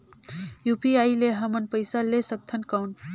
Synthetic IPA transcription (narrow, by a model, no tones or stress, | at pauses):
jupiaileɦəmənpəɪsalesək̚t̪ʰənkaun